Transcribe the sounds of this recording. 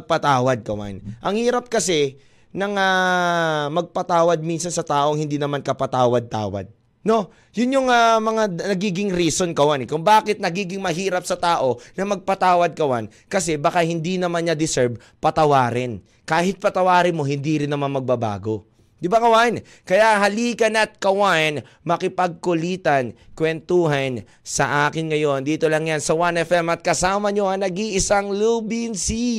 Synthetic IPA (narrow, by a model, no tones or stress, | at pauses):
ɡ̚pɐt̪aːwɐd̪̚kɐwa̰nʔɐŋhiːɾɐp̚kɐsɛ | nɐŋa | mɐɡ̚pɐt̪aːwɐd̪̚minsɐnsɐt̪aːʔoŋhɪnd̪inɐmankɐpɐt̪aːwɐd̪̚t̪a̰ːwɐ̰d̪̚ | no̞ | jʊnjoŋamɐŋanɐɡiːɡɪŋɾiːsonkɐwanɛkʊŋbaːkɪt̪̚nɐɡiːɡɪŋmɐɦiːɾɐp̚sɐt̪aːʔo̞nɐmɐɡ̚pɐt̪aːwɐd̪̚kɐwan | kɐsɛbɐkahɪnd̪inɐmanɲɐd̪ɪsɛɹb̚ | pɐt̪ɐwaːɾɪn | kaːhɪt̪̚pɐt̪ɐwaːɾɪnmo̞hɪnd̪iɾɪnːɐmanmɐɡ̚bɐba̰ːɡo̞ | d̪ɪbakɐwan | kɐjaʔɦɐliːkɐnɐt̪̚kɐwan | mɐkɪpɐɡ̚kʊliːt̪ɐnkwɛnt̪uːɦɐn | sɐ̰ʔaːkɪnŋɐjo̞nd̪iːt̪olɐŋjansɐwanɛfɛmɐt̪̚kɐsaːmɐɲoɐŋnɐɡiʔɪsaŋluːbinsi